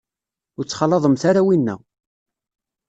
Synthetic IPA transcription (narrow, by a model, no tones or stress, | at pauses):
ʊɾt͡sːχɑlːɑðˤəmθaɾawinːæ̰